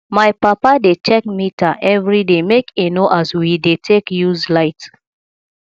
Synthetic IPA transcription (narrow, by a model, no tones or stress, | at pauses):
maɪpapadet͡ʃɛk̚mitaʔɛvɹidemekʰenoʔazwidetʰekjuzlaɪt